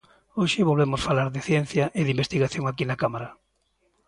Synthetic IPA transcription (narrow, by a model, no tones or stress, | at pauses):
oʃɪβolβemosfalaɾðɪθjen̟θjɐʔeðimbest̪iɣaθjoŋakinakamaɾɐ